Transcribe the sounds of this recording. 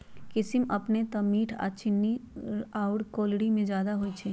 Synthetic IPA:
kɪsɪmɐpnet̪ɐmiːʈʰa̰ːt͡ʃʰɪnːiaːʊɽkoːlɽimẽd͡ʒjaːd̪aɦoit͡ʃʰɛː

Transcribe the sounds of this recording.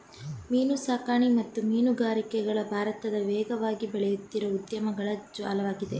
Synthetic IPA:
miːnusaːkaːɳimɐt̪ːumiːnuɡaːɾikɛɡɐɭɐbʱaːɾɐt̪ɐd̪ɐʋɛːɡɐʋaːɡibɛɭɛjut̪ːiɾɐud̪jɐmɐɡɐɭɐd͡ʒʋa̰ːlɐʋaːɡid̪e

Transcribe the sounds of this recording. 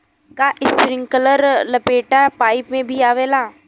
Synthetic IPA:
kaʔɪspɾɪ̃ŋɡkələɾlɐpeːʈapaːɪpmẽbʱiaːʋeːlaː

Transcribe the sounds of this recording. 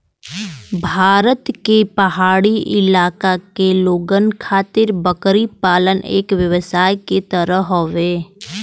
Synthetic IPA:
bʱaːɾət̪kepɐɦaːɽiɪ̰laːkakeloːɡənkʰaːt̪ɪɾbəkɾipaːlənḛːkʋjəʋəsaːjket̪əɾəɦoʋeː

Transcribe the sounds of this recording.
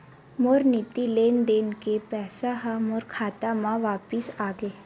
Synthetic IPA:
moɾnɪt̪ileːnd̪eːnkepɛːsaɦamoɾkʰaːt̪amãʋaːpɪsaːɡəeː

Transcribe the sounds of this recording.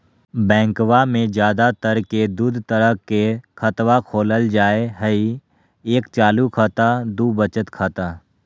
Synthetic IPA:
bɛ̃ːŋkwamẽd͡ʒjaːd̪at̪əɾked̪uːd̪ʱt̪əɾəɦkekʰət̪ʋakʰoːləld͡ʒaːeɦəi | eːkt͡ʃaːlukʰaːt̪ad̪uːbət͡ʃət̪kʰaːt̪a

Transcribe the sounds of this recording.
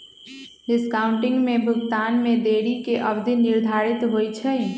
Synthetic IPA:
ɖɪskaːʊɳʈɪ̃ŋɡmẽbʱʊɡt̪aːnmẽd̪eɽikeʔəbd̪ʱinːɪɾd̪ʱaːɾit̪ɦoːjt͡ʃʰəj

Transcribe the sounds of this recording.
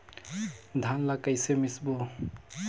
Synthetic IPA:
d̪ʱanlakajsemisbo

